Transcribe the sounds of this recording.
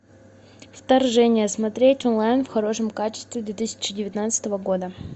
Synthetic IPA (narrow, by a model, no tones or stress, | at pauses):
ft̪ɐrʐɛnʲɪjəsmɐt̪ɾʲetʲonlˠajnfxɐɾo̞ʂɨmkat͡ɕɪ̥st̪vʲɪd̪vʲet̪ɨsʲɪ̥t͡ɕɪdʲɪvʲɪt̪nat̪sɨ̥t̪əvəɡo̞d̪ə